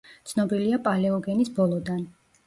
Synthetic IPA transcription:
tt̪sʰnɔbiliapʼalɛɔɡɛnisbɔlˠɔd̪an

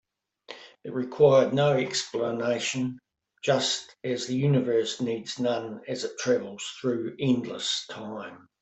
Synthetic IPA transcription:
ɨt̚ɹɨkʰw̥aɪə˞dⁿnəʊɛkspləneɪʃɨ̃n | d͡ʒʌstɨzðɨjʉnɨvɜ˞snidz̥nʌ̃nɨzɨtʰɹ̥ævəl̩ˠz̥θɹʉːɛ̃ndˡlə̰stʰãɪ̃m

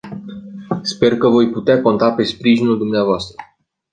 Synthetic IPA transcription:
spe̞rkəvo̞jput̪eako̞nt̪ape̞spɾiʒinuld̪umneavoast̪ɾə

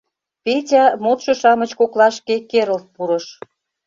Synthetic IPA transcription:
petʲɑmot̪ʃɤ̆ʃɑmə̆t͡ɕkoklɑʃkekeɾə̆lt̪̚puɾə̆ʃ

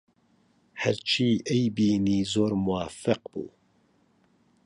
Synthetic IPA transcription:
hɛɾt͡ʃʰiːʔejbiːniːzoːɾmuwaːfɨqb̥ṵː

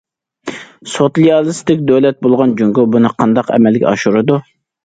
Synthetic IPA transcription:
sot̪liɑlˠɨst̪ɪkʲd̪øwlɛt̪̚bolˠʁɑnd͡ʒyŋɡʊbunɨqʰɑnd̪ɑqɛ̰mɛlɡʲɛ̰ɑʃuɾɨd̪u

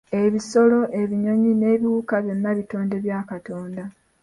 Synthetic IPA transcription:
e̞βiso̞lo̞ʔe̞βiɲo̞ɲine̞ːβiwuːkaβjo̞nːaβito̞ːnde̞βjaːkato̞ːnda

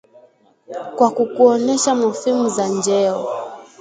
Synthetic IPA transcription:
kwakukuɔnɛʃamuhimuzand͡ʒɛɔ

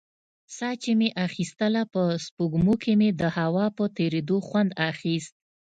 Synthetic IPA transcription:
sɑt͡ʃemeʔaxist̪əlapəspuɡmukemed̪əhawɑpət̪eɾed̪oxwand̪axist̪̚

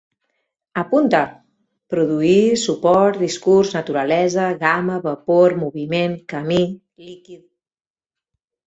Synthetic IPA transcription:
əpunt̪ə | pɾuðuisupɔɾt̪d̪iskuɾznət̪uɾəlɛzəɣaməβəpoɾmuβimenkəmi | likið

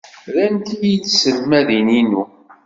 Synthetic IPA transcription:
ɾænt̪ijit͡sːsəlmæðininu

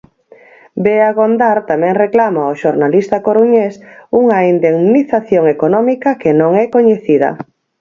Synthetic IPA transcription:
beaɣond̪aɾt̪amɛ̃ŋreklamaoʃoɾnalist̪akoɾuɲesuŋaind̪eŋniθaθjoŋekonɔmikɐkenõŋɛkoɲeθiðɐ̰

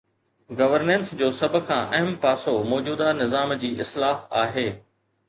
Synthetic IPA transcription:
ɡɐʋəɾnẽnsd͡ʑoːsɐb̆ʱkʰãːʔɐɦmpaːsomɔːd͡ʑuːd̪anɪzaːmd͡ʑiːʔɪslaːaːɦeː

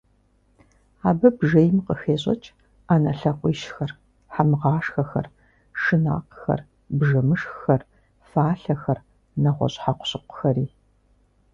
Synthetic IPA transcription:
aːbɐbʐejmqəxeːɕʼɐ̰t͡ʃʼ | aːnɐɬɐqʷʼiːʃxɐr | ħamɨʁɑːʂxɐxɐ̰r | ʂɨna̰ːqxɐ̰r | bʐɐmɨʂxxɐr | faːɬɐxɐr | nɐʁʷɔ̰ɕʼħaqʷʊ̥ɕɪqʷʊ̥xɐriː

